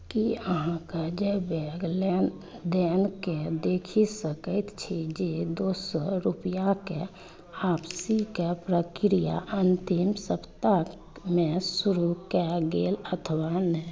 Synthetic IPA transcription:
kiəɦãkad͡ʒebeɡle | d̪enked̪eːkʰisəkəɪt̪t͡ʃʰid͡ʒed̪osɔɾupjake | apsikepɾəkɾija̰ʔənt̪imsəpt̪a | mẽsuɾukɛɡelət̪ʰəʋanɛ

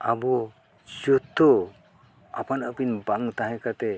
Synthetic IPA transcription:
abɔ | d͡ʒut̪ːɔ | apanəpinbaŋt̪aɦɛ̃kat̪ɛ

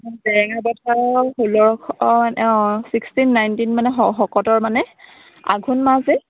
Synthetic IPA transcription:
ndɛŋaɹbɔtʰaɹɦolɔɹkʰmanɛɔsikstinːajntinmanɛɦɔxɔkɔtɔɹmanɛ | a̰ɡʱunmazɛ

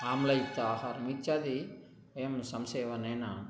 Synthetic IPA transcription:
aːmlɐit̪ːahɐɾmit͡ʃad̪i | emsɐmseːʋɐneːna

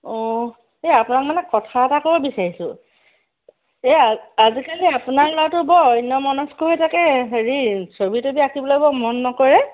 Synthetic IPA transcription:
ɔ | eapʊnak̚manɛkɔtʰaɛtakobɔbisaɹisʊ̰̃ | eaazikaliapʊnaɹlɔatʊbɔɔjnɔmɔnɔskɔɦɔjtʰakɛɦeɹisobitobiakʰibɔlɔjbɔmɔnːɔkɔɹɛ

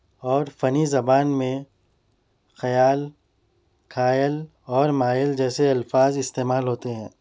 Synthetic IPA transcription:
ɔːɾfɐnizɐbaːnmẽ | xɐjaːl | kʰaːjəl | ɔːɾmaːɪld͡ʒɛːseɐlfaːzɪst̪eːmaːlɦoːt̪eɦɛ̃ː

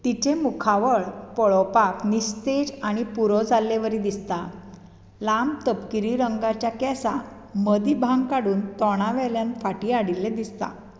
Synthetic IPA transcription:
t̪it͡ɕẽmukʰaʋəɭpɔɭɔpaknist̪ed͡ʑaɽ̃ipuɾɔd͡zalːeʋəɾid̪ist̪a | lambt̪əpkiɾiɾəŋɡat͡ɕjakɛsa | məd̪ibʱãŋɡkaɽuːnt̪ɔɽ̃ãʋɛljanfaʈiaɽilːed̪ist̪a̰

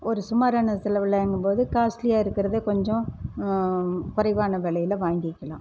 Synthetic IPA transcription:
ɔɾɯsʊmaːɾaːnɐsɛlɐʋɪlɐɐŋɡɯmpoːðɯkaːslɪjaːɪɾɯkːɪɾɐðɯkɔɲd͡ʒɔ̃ | kʊɾɐɪʋaːnɐʋɛːɭɐjɪlɐʋaːŋɡɪkːɐlãː

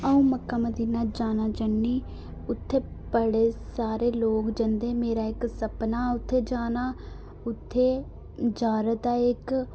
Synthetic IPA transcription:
əũːməkːaːməd̪iːnaːd͡ʒaːnaːd͡ʒənːiː | ʊt̪ʰːeː | bəɽeːsaːɾeːloːkd͡ʒənd̪eːmeːɾaːɪksəpnaːʊt̪ʰːeːd͡ʒaːnaː | ʊt̪ʰːeː | d͡ʒaːɾət̪aːɪk

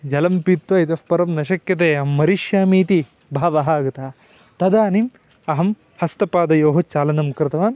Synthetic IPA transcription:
d͡ʒɐlɐmpit̪ʋɐit̪ɐfpɐɾɐmnɐʃɐkjɐt̪̬eːɐmːɐɾiʃjaːmiːt̪i | bʱaːʋɐɦaːɡɐt̪aː | t̪ɐd̪aːnim | ɐɦɐm | hɐst̪ɐpaːd̪ɐjoːɦɐt͡ʃaːlɐnɐmkɾɪt̪ɐʋaːn

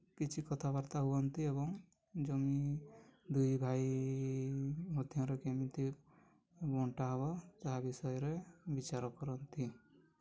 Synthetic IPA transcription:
kit͡ʃʰikɔt̪ʰabaɾt̪aɦuɔnt̪iebɔŋ | d͡ʒɔmi | d̪ujbʱaj | mɔd̪ʱjɔ̃ɾekemit̪i | bɔɳʈaɦbɔt͡ʃaɦabisɔjɾebit͡ʃaɾɔkɔɾɔnt̪i

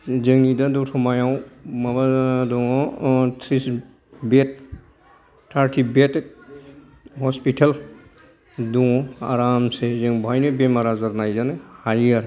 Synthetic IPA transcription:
zeŋnidadutʰɔmajawmabadɔɔtʰɾis | bet̚ | tʰaɾtʰibetk̚ | hɔspitʰɐl | dua̰ɾamsezeŋbʱajnebemaɾazɐɾnajzanehajaɾ

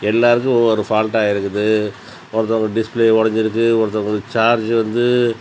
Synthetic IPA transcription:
ɛlːaːɾɯkːɯ̃ɔɾɯfaːlʈaːjɪɾɯkːɯðɯ | ɔɾɐt̪ːɔŋɡɐɖɪspleːɔɽɐɲd͡ʒɪɾɯk̬ːɯɔɾɐt̪ːɔŋɡɐɾɯt͡ʃaːɾd͡ʒʋɐnd̪ɯ

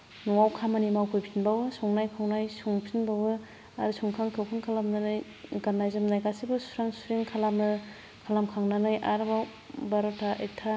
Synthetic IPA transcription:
nuwawkʰamanimawpʰujpʰinbawɯsɔŋnajkʰawnajsuŋpʰinbawɯ | aɾɯsuŋkʰaŋkʰewkʰɯŋkʰalamnanɯj | ɡanːajzɯmnajkasibɯsu̥ɾaŋsuɾeŋkʰalamɯ | kʰalamkʰaŋnanɯjʔaɾbaw | baɾɔtʰaʔek̚tʰa

